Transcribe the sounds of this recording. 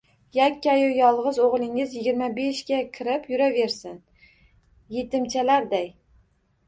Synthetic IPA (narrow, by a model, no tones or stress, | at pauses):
jakʲːajʊjɒlˠʁɨzoʁlˠɪŋɪzjɪɡʲɪɾmabe̞ʃɡʲakʲʰɪɾɪpjʊɾave̞ɾsɪn | je̞t̪ɪmt͡ʃʰalaɾd̪aj